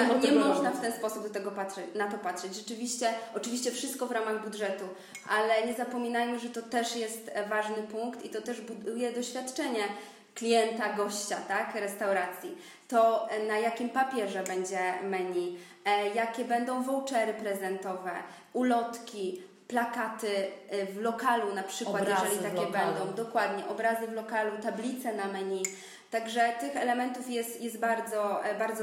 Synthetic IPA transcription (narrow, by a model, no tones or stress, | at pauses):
ɲɛmɔʐnaft̪ɛnspɔsub̚d̪ɔt̪ɛɡɔpat̪ʂɛt͡ɕnat̪ɔpat̪ʂɛd͡ʑʐɛt͡ʂɘvʲiɕt͡ɕɛɔt͡ʂɘvʲiɕt͡ɕɛfʂɘst̪̚kɔvɾamaɣbud̪ʐɛt̪u | ʔalɛɲɛzapɔmʲinajmɘʐɛt̪ɔt̪ɛʂjɛst̪vaʐnɘpuŋkt̪it̪ɔt̪ɛʐbud̪ujɛd̪ɔɕfʲjat̪t͡ʂɛɲɛ | klʲijɛnt̪aɡɔɕt͡ɕat̪akɾɛst̪awɾat̪sʲji | t̪ɔnajakʲimpapʲjɛʐɛbɛɲd͡ʑɛmɛɲi | jakʲɛbɛnd̪ɔ̃w̃vɔwt͡ʂɛɾɘpɾɛzɛnt̪ɔvɛ̰ | ulɔt̪kʲi | plakat̪ɘvlɔkalunapʂɘwat̪jʐɛlʲit̪akʲɛbɛnd̪ɔ̃w̃d̪ɔkwad̪ɲɛʔɔbɾazɘvlɔkalut̪ablʲit̪sɛnamɛɲi | t̪aɡʐɛt̪ɘxɛlɛmɛnt̪ufjɛst̪jɛst̪̚baɾd̪zɔbaɾd̪zɔ